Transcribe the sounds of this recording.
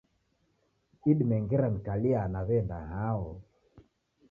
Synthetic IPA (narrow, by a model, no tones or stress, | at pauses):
iɗmɛŋɡɛɾanikaliaːnaβɛndaɦaɔ